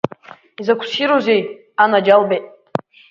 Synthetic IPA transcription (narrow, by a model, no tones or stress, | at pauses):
izakʷʰsiɾozej | anad͡ʒalbejtʼ